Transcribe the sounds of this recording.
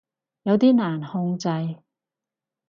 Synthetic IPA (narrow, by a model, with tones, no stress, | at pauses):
jɐ˨˧wt̪iː˥naː˨˩nhʊ˧ŋt͡sɐ˧j